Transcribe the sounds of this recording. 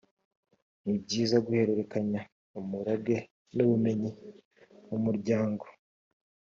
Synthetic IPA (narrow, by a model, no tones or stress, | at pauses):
nibɟiːzaɡuhe̞ɾe̞ɾe̞kaɲa | umuɾabɡe̞ | nuβume̞ɲi | umuɾɟaːŋɡo